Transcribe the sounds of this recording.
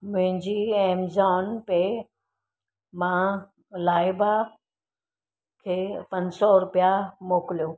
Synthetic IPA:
mʊ̃ɦɪ̃ɲd͡ʑiẽːmzaːnpe | mãː | laːɪba | kʰeːpɐnsɔɾʊpijamoːkɪlijoː

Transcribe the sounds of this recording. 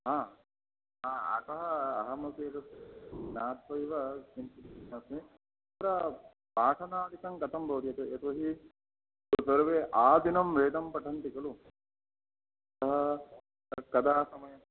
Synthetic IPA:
ɦaː | ɦaɐ̰t̪ɐɦɐɐɦɐmɐsiɐt̪ɐsnaːt̪ʰʋɐjʋɐsint̪it̪nɐsmi | t̪ɾɐ | paːʈʰɐnaːd̪ikɐŋkɐt̪ʰɐmbʱɐʋɾjɐt̪eʔet̪ʋɐɦi | sɐɾʋeːʔaːd̪ʱinɐmɾeːt̪ɐmpɐʈʰɐnt̪ikɐlu | ɐt̪ɐɦɐ | kɐd̪ʱaːsɐmɐjɐm

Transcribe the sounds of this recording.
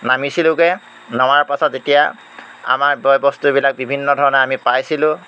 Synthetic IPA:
namisilʊ̃kɛ | nɔwaɹpasɔtetija | a̰maɹbɔjbɔstubilak̚bibʱinːɔdʱɔɹɔnɛamipajsilʊ̃

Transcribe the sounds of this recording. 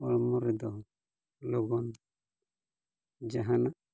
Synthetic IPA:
ɔlmɔɾɛd̪ɔ | lɔɡɔn | d͡ʒaɦana

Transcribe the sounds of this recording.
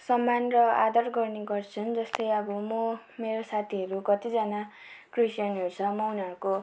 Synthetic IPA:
sʌmːanrʌa̰d̪ʌrɡʌrneɡʌrt͡sʰʌnd͡zʌst̪ʌjʌbʌmʌ | meɾosat̪ʰiɦʌɾukʌt̪id͡zana | krisjʌnʌɾut͡sʰʌmʌunaɾuko

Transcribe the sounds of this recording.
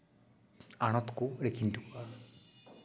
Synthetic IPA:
aɽ̃ɔt̪ɔ̥kuɾekʰint̪uka

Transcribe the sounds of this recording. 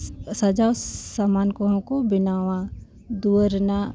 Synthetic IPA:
sɐd͡ʒawsamaːnkoɦmkobɪnaːʋã | d̪uəɾna

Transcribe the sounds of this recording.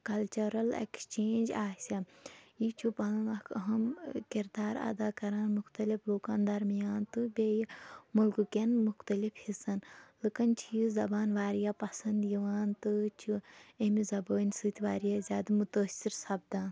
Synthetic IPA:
kɐlt͡ʃɐɾɐlḛkst͡ʃeːnd͡ʒaːsʲajit͡ʃʰupɐnɨnɐkʰɐɦɐmkiɾd̪aːɾa̰d̪aːkɐɾaːnmuxt̪ɐlifloːkaːnd̪ɐɾmijaːnt̪ɨbʲeːjmulkɨkenmuxt̪ɐlifhisɐnlɨkɐnt͡ʃʰijizɐbaːnʋaːɾijaːpɐsɐnd̪jiʋaːnt̪ɨt͡ʃʰuemizɐboːnʲsɨt̪ʋaːɾijazʲaːd̪ɐmut̪əːsiɾsɐbd̪aːn

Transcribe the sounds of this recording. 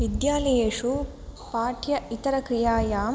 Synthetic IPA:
ʋid̪jaːlɐjeːʂu | paːʈʰjɐit̪ɐɾɐkɾijaːjaːm

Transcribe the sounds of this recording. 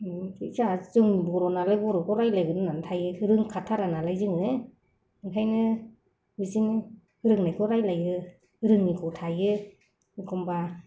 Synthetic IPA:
tʰɯzazɯŋbɔɾɔnalajbɔɾɔkɔɾajlajɡɯnɯnantʰajɯhɯɾɯŋkʰatʰaɾanalajzɯŋɯe | ntʰajnɯ | bɯzinɯ | hɯɾɯŋnajkʰɔɾajlajɯ | hɯɾɯŋnikʰɔtʰajɯ | ikʰɔmba

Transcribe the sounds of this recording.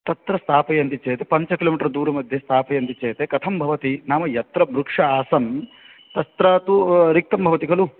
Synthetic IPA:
t̪ɐt̪ɾɐst̪ʰaːpɐjɐnt̪it͡ʃeːjɐt̪epɐɲt͡ʃɐkiloːmiʈɐɾd̪uːɾɐmɐd̪ʱjɐst̪ʰaːpɐjɐnt̪it͡ʃeːt̪ekɐt̪ʰɐmbʱɐʋɐt̪inaːmɐjɐt̪ɾɐbɾukʂɐaːsɐm | t̪ɐst̪ɾaːt̪uɾik̚t̪ɐmbʱɐʋɐt̪ikɐlu

